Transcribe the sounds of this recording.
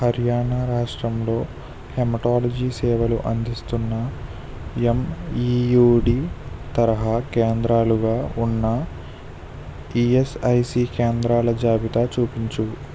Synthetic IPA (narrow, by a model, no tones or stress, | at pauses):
hɐɾjaːɳaɾaːʂʈɾɐmlo̞ː | hemɐʈaːlɐd͡ʒiːsɛːʋɐlṵʔɐnd̪ist̪unːɐ | emijuːɖiːt̪ɐɾɐɦɐkeːnd̪ɾaːluɡaːunːɐ | iesɐjsiːkeːnd̪ɾaːlɐd͡ʒaːbit̪at͡ʃuːpiɲt͡ʃu